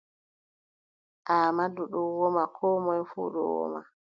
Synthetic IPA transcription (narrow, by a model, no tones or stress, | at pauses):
ʔaːmaduɗɔwɔmakʰɔːmɔjfṵːɗɔ̰wɔ̰ma̰